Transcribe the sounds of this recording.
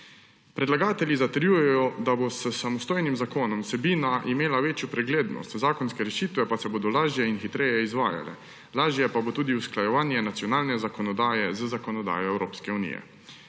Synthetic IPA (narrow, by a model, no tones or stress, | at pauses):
pɾɛd̪laɡaːt̪ɛljizat̪ɛɾjujɛjɔd̪abosəsamɔst̪oːjnimzakoːnɔmsɛbiːnaʔimeːlaʋeːt͡ʃjupɾɛɡleːd̪nɔ̰st̪zaːkɔnskɛɾɛʃiːt̪ʋɛpasɛboːd̪ɔlaːʒjɛinxit̪ɾɛjɛizʋaːja̰lɛ̰ | laːʒjɛpabot̪uːd̪iusklajɛʋaːnjɛnat̪sjɔnaːlnɛzakɔnɔd̪aːjɛzəzakɔnɔd̪a̰ːjɔɛwɾoːpskɛunḭjɛ̰